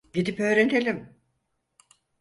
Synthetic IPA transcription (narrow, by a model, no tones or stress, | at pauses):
ɟid̪ipø̞ːɾet̪ʰelʲim